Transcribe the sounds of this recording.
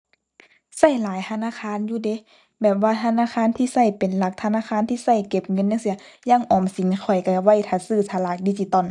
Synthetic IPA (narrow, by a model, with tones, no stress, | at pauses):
sa˧˥˩jlaː˨˦jt̪ʰa˧naː˧˥˨kʰaː˧˥˨njuː˧de˧˦ | bɛː˨˩p̚waː˧t̪ʰa˧˥˨naː˧˨xʰaː˧˥˨nt̪ʰiː˧˨sa˧˥˩jpe˨nla˧˦k̚t̪ʰa˧naː˧˥˨xʰaː˧˥˨nt̪ʰiː˧˥˨sa˧˩jke˧˩p̚ŋɤ˧˥˨nːa˧˥˨ŋsi˧˦ɐjaː˧˥˨ŋʔɔː˨˩msi˨˦ŋkʰɔ˨˩jka˧˩wa˧˥˨jt̪ʰa˧˩sɯː˧˩t̪ʰa˧laː˧˩k̚diː˧˩t͡ɕi˧t̪ɔ˧˩˨n